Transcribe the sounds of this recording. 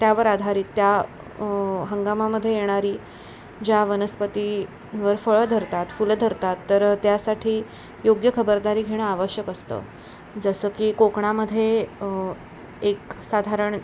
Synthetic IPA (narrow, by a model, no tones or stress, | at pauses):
t̪jaʋəɾad̪ʱaɾiːt̪ːja | ɦəŋɡamaməd̪ʱːjejeɽ̃aɾiː | d͡ʑjaʋənəspət̪i | ʋəɾfəɭəd̪ʱəɾt̪at̪fuld̪ʱəɾt̪at̪ːəɾt̪jasaʈʰiː | joɡjəkʰəbəɾd̪aɾiːɡʱeɽ̃əaʋəɕjəkəst̪ə̰ː | d͡zəsəːkiːkokɳaməd̪ʱːje | eksad̪ʱaɾəɳ